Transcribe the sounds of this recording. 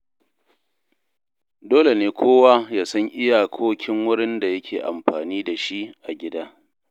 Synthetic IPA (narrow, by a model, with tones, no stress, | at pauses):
doː˦le˨neː˨˦kʷʰoː˦waː˦jaː˦sɐ˦ŋʔɪ˦ja˨kʰoː˦kʲɪ˦ŋwʊ˦ɽɪ˦nda˨jɐ˦kʲʰeː˨ʔa̰˨mɸaː˨niː˦da˨ʃi˦ʔʔa˨ɡʲɪ˦daː˦